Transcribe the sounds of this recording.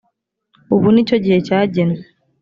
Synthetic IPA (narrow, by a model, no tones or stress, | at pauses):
uβunit͡ʃɔɟɛt͡ʃaːɟɛn